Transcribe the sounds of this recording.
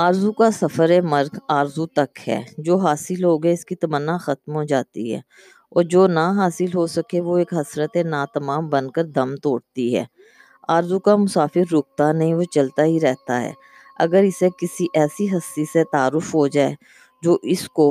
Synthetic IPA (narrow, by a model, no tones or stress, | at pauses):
aːɾzukasɐfəɾemɐɾɡaːɾzut̪ɐkɦɛ̰ːd͡ʒoːɦaːsɪlɦoːɡɦɛɪskit̪ɐmənːaxɐt̪mɦod͡ʒaːt̪ḭɦɛ̰ː | ɔ̰ːɾd͡ʒoːnaɦaːsɪlɦosɐkeʋoeːkɦɐsɾət̪enaːt̪ɐmaːmbə̃nkəɾd̪ɐmt̪oːɽt̪iɦɛ̰ː | aːɾzukamʊsaːfɪɾːʊk̚t̪anɐɦĩʋot͡ʃɐlt̪aɦiɾɛɦt̪aɦɛ̰ː | ɐ̰ɡəɾɪsekɪsiʔɛːsiɦɐsːiset̪aːɾʊfɦod͡ʒaːe | d͡ʒoːʔɪsko